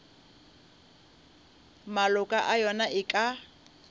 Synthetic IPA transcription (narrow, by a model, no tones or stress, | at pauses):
malʊkʼaʔajɔnaʔɪkʼa